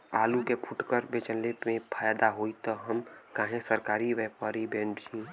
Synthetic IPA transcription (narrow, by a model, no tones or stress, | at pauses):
aːlukepʰuʈkəɾbet͡ʃənlemẽpʰaːjad̪aɦoit̪ɔɦəmkãːɦẽsəɾkaːɾiwɛpaːɾibẽːnɖt͡ʃĩ